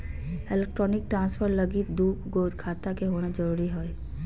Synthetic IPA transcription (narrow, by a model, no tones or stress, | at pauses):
ɪleːk̚ʈɾɔːnɪk̚ʈɾãːnspʰəɾlɐɡid̪uːbɡoːɾkʰaːt̪akeɦoːnad͡ʒɐɾuːɾiɦoe